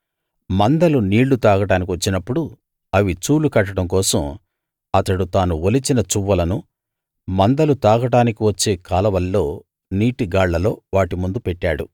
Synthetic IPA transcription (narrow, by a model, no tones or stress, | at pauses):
mɐnd̪ɐluniːɭːut̪aːɡɐɽaːnik̬iʋɐt͡ʃːinɐpːuɽu | ɐʋit͡ʃuːlukɐʈːɐɽɐmkɔːsɐm | ɐt̪ɐɽut̪aːnuolit͡ʃinɐt͡ʃuʋːɐlɐnu | mɐnd̪ɐlut̪aːɡɐɽaːnikiʋɐt͡ʃːe̞ːkaːlɐʋɐlːo̞ː | niːʈiɡaːɭːɐlo̞ːʋaːʈimund̪upɛʈːaːɽu